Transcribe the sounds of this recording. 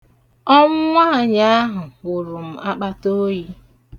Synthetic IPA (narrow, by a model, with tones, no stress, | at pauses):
ɔ˦ŋʊ˦ŋʷa˦˨ɲa˦a˦ɦʊ˨u˨ɾu˨m̩˨a˦k͡pa˦to˦ji˦